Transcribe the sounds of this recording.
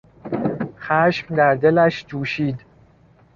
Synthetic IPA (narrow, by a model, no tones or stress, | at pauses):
xæːʃmd̪æɾd̪e̞læʃd͡ʒuːʃiːd̪